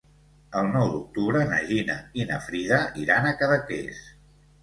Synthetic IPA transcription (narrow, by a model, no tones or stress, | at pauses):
əlˠnɔwd̪uk̚t̪uβɾənə̰ʒinəinəfɾiðəʔiɾanəkəðəkḛs